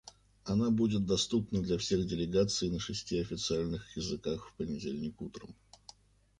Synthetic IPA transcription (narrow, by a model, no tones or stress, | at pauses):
ɐnabudʲɪt̪̚d̪ɐst̪upnəd̪lʲɐfsʲe̞ɣdʲɪlʲɪɡat̪sɨjnəʂɨsʲtʲiɐfʲɪt̪sɨalʲnɨxjɪzɨkaxfpənʲɪdʲelʲnʲɪkut̪ɾə̰m